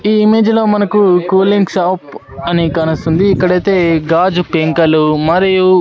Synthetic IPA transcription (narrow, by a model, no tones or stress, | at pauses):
iːime̞ːd͡ʒlo̞ːmɐnɐkukuːliŋɡʃaːp | ɐnikaːnɐst̪und̪iːkːɐɽɐjt̪e̞ːɡaːd͡ʒupeŋkɐlumɐɾiju